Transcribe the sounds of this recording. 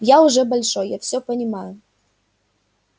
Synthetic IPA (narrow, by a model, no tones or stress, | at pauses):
jaʊʐɛbɐlʲʂɔjjafsʲɔpɐnʲɪmajʊ